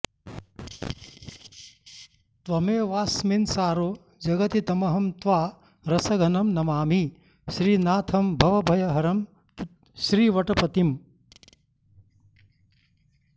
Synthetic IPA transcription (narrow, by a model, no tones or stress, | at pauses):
t̪ʋɐmeːʋaːsminsaːɾoː | d͡ʒɐɡɐt̪it̪ɐmɐɦɐmt̪ʋaː | ɾɐsɐɡʱɐnɐmnɐmaːmi | ʃɾiːnaːt̪ʰɐmbʱɐʋɐbʱɐjɐɦɐɾɐm | ʃɾiːʋɐʈɐpɐt̪im